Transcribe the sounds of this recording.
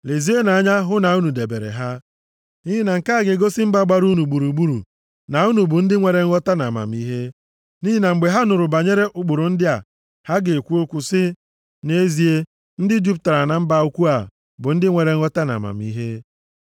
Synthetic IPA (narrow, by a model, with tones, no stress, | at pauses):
le˨zi˦e˦na˨a˦ɲa˦ɦʊ˦na˨u˦nu˨de˨bḛ˨ɾḛ˨ɦa˦ | ni˦ɦi˦na˨ŋ̩˨ka˦a˨ɡe˨ɡo˦sɪ˦m̩˦ba˦˨ɡ͡ba˨ɾu˦nu˨ɡ͡bu˨ɾu˨ɡ͡bu˦ɾṵ˨ | na˨u˦nu˨bʊ˨n̩˦dɪ˦ŋʷe˨ɾe˨ŋ̩˦ɔ˦ta˦na˨ma̰˨m̩˨˦i˦ɦe˦ | ni˦ɦi˦na˨ŋ͡m̩˨ɡ͡be˨ɦa˦nʊ˨ɾʊ˨ba˨ɲe˦ɾe˦ʔʊ˨ɡ͡bʊ˨ɾʊ˨n̩˦dɪ˦a˨ | ha˦ɡe˨e˨kʷu˦o˦kʷu˨sɪ˦ | ne˦zi˨e˦ | n̩˦dɪ˦d͡ʒu˦p̚ta˨ɾa˨na˨m̩˦ba˨u˦kʷu˦a˨ | bʊ˨n̩˦dɪ˦ŋʷe˨ɾe˨ŋ̩˦ɔ˦ta˦na̰˨ma̰˨m̩˨ḭ˦ɦe˦